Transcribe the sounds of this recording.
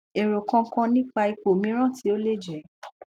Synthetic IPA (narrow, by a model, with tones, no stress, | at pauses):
e˨ɾo˨kã˧˦kã˧nĩ˦k͡pa˧i˧k͡po˨mĩ˨˦ɾ̃ã˦˨tʰi˨˦o˦le˦˨d͡ʒɛ˨˦